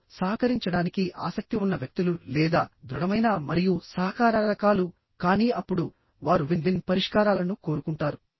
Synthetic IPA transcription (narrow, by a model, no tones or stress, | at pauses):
saːɦɐkɐɾiɲt͡ʃɐɽaːnikiʔa̰ːsɐk̚t̪iunːɐʋjɐk̚t̪ululɛːd̪aːd̪ɾuɽɐmɐjnaːmɐɾijusaːkaːɾɐɾɐkaːlu | kaːniːɐpːuɽu | ʋaːɾuʋind̪inpɐɾiʂkaːɾaːlɐnuko̞ːɾukuɳʈaːɾu